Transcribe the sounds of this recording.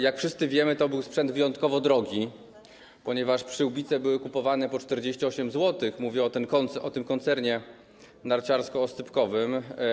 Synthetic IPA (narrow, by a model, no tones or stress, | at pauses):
jakfʂɘst̪sɘvʲjɛmɘt̪ɔbɘwspʂɛnd̪vɘjɔnt̪kɔvɔd̪ɾɔɡʲi | pɔɲɛvaʂpʂɘubʲit̪sɛbɘwɘkupɔvanɛpɔt͡ʂt̪ɛɾd͡ʑeɕt͡ɕiɔɕɛmzwɔt̪ɘxmuvʲjɛɔt̪ɛnkɔnʔɔt̪ɘmkɔnt̪sɛɾɲɛ | naɾt͡ɕaɾskɔːsɘpkɔvɘm